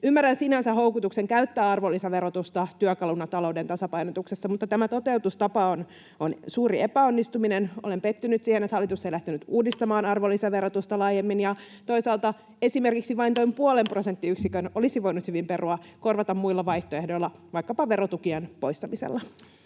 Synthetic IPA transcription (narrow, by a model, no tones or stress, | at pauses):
ymːærænsinænsæɦoukut̪ukseŋkæyt̪ːæːɑrʋolːisɑʋeɾot̪ust̪ɑt̪yækɑlunːɑt̪ɑloudent̪ɑsɑpɑjnot̪uksesːɑmut̪ːɑt̪æmæt̪ot̪e̞wt̪ust̪ɑpɑon | onsuːɾiepæonːist̪uminenole̞mpet̪ːynyt̪siːhenet̪hɑlːit̪useilæht̪ynyt̪uːdist̪ɑmɑːnɑrʋolːisɑʋe̞ɾot̪ust̪ɑlɑːjemːinjɑ | t̪o̞isɑːlt̪ɑ | e̞sime̞rkiksiʋɑint̪oimpuolemprosent̪ːiyksikønolisiʋo̞inut̪hyʋimperuɑko̞rʋɑt̪ɑmmuilːɑʋɑiht̪oehdoilːɑʋɑikːɑpɑʋe̞rot̪ukiɑnpo̞ist̪ɑmisḛlːɑ